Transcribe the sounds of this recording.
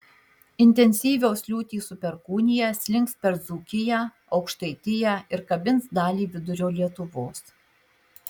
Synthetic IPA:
ɪnʲt̪ʲɛnʲsʲiːʋʲoːsʲlʲuːt̪ʲiːsʊpʲɛɾkuːnʲɪjɛsʲlʲɪŋkspʲɛɾd̪zuːkʲɪjæː | ɒʊkʃt̪ɐɪt̪ʲɪjæːɪɾkɐbʲɪntsd̪ɑːlʲiːʋʲɪd̪ʊɾʲoːlʲiɛt̪ʊʋoːs

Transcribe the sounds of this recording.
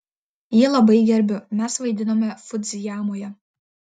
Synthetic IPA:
jiɛlˠɐbɐɪɡʲɛɾʲbʲʊmʲɛsʋɐɪd̪ʲɪnoːmʲɛfʊd̪ʲzʲɪjæːmoːjɛ

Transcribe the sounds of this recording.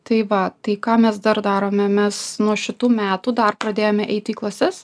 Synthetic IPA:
t̪ɐɪʋɐt̪ɐɪkɑːmʲɛsd̪ɐrd̪ɑːɾoːmʲɛmʲɛsnuɔʃʲɪt̪uːmʲæːt̪uːd̪ɐrpɾɐd̪ʲeːjoːmʲɛʔɛɪt̪ʲɪiːklˠɐsʲɛs

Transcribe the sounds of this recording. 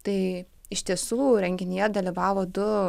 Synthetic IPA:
t̪ɐɪ | ɪʃt̪ʲiɛsuːɾʲɛŋʲɡʲɪnʲɪjɛd̪ɐlʲiʋɑːʋoːd̪ʊ

